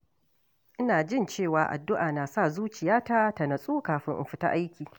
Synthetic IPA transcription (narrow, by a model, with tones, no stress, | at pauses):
ʔɪ˦naː˨d͡ʒɪ˦˨nt͡ʃeː˦˨waː˨ʔa̰˨dːʊ˦ʔaː˨naː˨sa˦˨zuː˦t͡ʃɪ˨jaː˦ta˦ta˨nɐ˨sʼuː˦kaː˨ɸɪ˦ŋʔɪ̰˨mɸɪ˨ta̰˦ʔa˦jkʲiː˨